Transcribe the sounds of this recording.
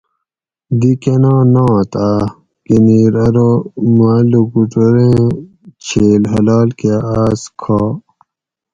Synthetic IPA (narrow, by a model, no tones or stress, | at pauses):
d̪ikenãːnãt̪aː | kiniːɾɐɾomaːluɡuʈoɾẽː | t͡ɕʰeːlɦɐlaːlkeaːskʰaː